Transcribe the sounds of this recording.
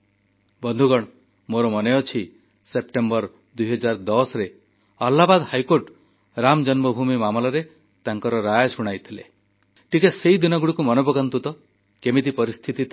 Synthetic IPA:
bɔnd̪ʱuɡɔɽ̃ | moɾɔmɔneɔt͡ʃʰi | sepʈembɔɾ | d̪ujɦɔd͡ʒaɾd̪ɔsɾe | alːabad̪hajkoɾʈ | ɾamd͡ʒɔnmɔbʱumimamɔlɔɾe | t̪aŋkɔɾɔɾajsuɽ̃ajt̪ʰilḛ | ʈikaseid̪inɔɡuɽikumɔnobɔɡant̪ut̪ɔ | kemid̪ipɔɾist̪ʰit̪i

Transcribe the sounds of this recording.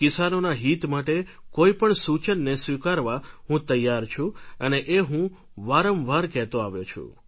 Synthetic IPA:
kɪsanonaɦit̪maʈe | koipəɳsut͡ʃənːesʋikaɾʋaɦũt̪əjːaɾt͡ʃʰũəneʔeɦũ | ʋaɾəmʋaɾkɛɦt̪oaʋjot͡ʃʰṵ̃

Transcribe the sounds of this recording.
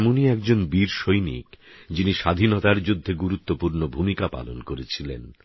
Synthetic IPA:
moniɛk̚d͡ʑonbiɾʃojnḭkd͡ʑiniʃad̪ʱinot̪aɾd͡ʑud̪ʱːeɡuɾut̪ːopuɾnobʱumikapa̰lo̰nkoɾet͡ɕʰilḛn

